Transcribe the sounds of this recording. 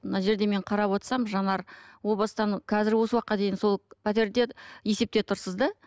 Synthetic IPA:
nɑʒe̞ɾd̪e̞me̞ɴqʰɑɾɑpwo̞t̪sɑmʒɑnɑɾwo̞blˠɑst̪ɑnkʲʰɑzɪɾwo̞səwɑqːɑd̪e̞jɪnso̞lˠpʰʲæt̪e̞ɾd̪e̞je̞se̞p̚t̪e̞t̪ʰʊɾsəzd̪ɑ

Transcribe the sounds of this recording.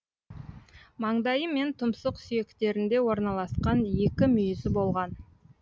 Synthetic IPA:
mɑɴd̪ɑjəme̞nt̪ʰʊmsəqsʏje̞kt̪e̞ɾɪnd̪e̞wo̞ɾnɑlˠɑsqɑnje̞kʲɪmʏjɪzɪbo̞lˠʁɑn

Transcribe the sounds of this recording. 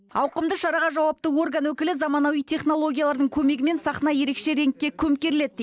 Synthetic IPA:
ɑwqəmd̪əʃɑɾɑʁɑʒɑwɑpt̪əwo̞rɡanwɵkʲɪlɪzɑmɑnɑwijt̪ʰe̞χno̞lˠo̞ɡʲijalˠɑɾd̪əɴkʲʰɵme̞ɡʲɪme̞nsɑχnɑje̞ɾe̞kʃe̞ɾe̞ŋkʲːekʲʰɵmkʲe̞ɾɪle̞t̪̚ː

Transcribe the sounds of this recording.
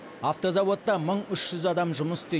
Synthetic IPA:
aft̪o̞zɑwo̞t̪ːɑməɴʏʃʒ̥ʏzɑd̪ɑmʒʊməsɪ̥t̪e

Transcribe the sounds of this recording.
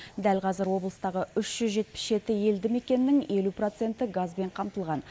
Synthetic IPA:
d̪ælqʰɑzɪɾwo̞blˠəst̪ɑʁəʏʃʒ̥ʏzʒe̞t̪̚pɪ̥sʒe̞t̪ɪje̞ld̪ɪme̞kʲe̞nːɪŋje̞lupro̞t̪se̞nt̪ɪɡazbe̞ɴqʰɑmt̪əlˠʁɑn

